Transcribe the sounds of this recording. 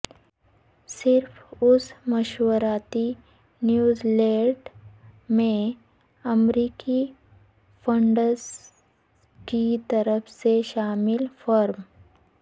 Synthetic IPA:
sɪɾfʊsmɐʃwəɾaːt̪i | njuːzleːɖmẽ | ɐmɾiːki | fʰə̃ɳɖəɾz | kit̪əɾəfseʃaːmɪlfɔɾm

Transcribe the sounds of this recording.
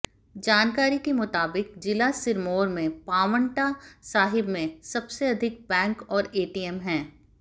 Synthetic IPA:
d͡ʒaːnkaːɾikemʊt̪aːbɪkd͡ʒɪlasɪɾmoːɾmẽpaːʋə̃ɳʈasaːɦɪbmẽsɐbseɐd̪ʱɪk̚bɛ̃ːŋkɔːɾeːʈiːɛmɦɛ̃ː

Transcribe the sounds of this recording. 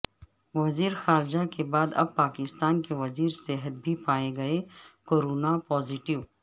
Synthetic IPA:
ʋɐziːɾxaːɾd͡ʒakebaːd̪ɐ̰b̚paːkɪst̪aːnkeʋɐziːɾseɦət̪̚bʱipaːeɡɐekoːɾoːnapɔːzɪʈɪʋ

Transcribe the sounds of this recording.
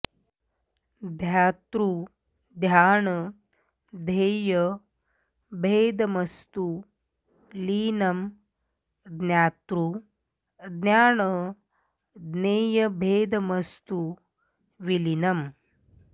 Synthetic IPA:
d̪ʱjat̪ɾu | d̪ʱjaːɳə | d̪ʱeːjə | bʱeːd̪məst̪u | liːnɐm | d̪nʲjaːt̪ɾu | d̪njaːɳə | d̪neːjəbʱeːd̪məst̪u | ʋilinɐm

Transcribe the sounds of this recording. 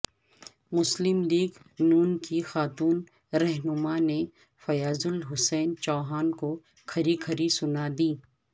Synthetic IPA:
mʊslɪmliːɡnuːnkixaːt̪uːn | ɾɛɦnʊmane | fɐjaːzʊlɦʊsɛːnt͡ʃɔːɦaːnko | kʰɐɾikʰɐɾisʊnad̪iː

